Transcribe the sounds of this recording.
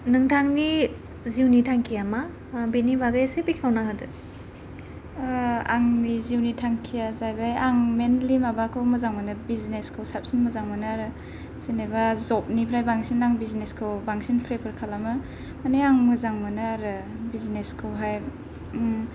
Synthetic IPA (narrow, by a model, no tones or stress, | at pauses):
nɯŋtʰaŋni | ziwnitʰaŋkʰijama | benibaɡajsebikʰawnaɦadɯ | aŋniziwnitʰaŋkʰijazajbajaŋmenlimabakʰɯwmɯzaŋmɯnɯbizneskʰɯwsap̚sinmɯzaŋmɯnɯaɾɯ | senebazɔp̚nipʰɾajbaŋsinaŋbizneskʰɯwbaŋsinpʰɾepʰɯɾkʰalamɯ | maneaŋmɯzaŋmɯnɯaɾɯbizneskʰɯwɦaj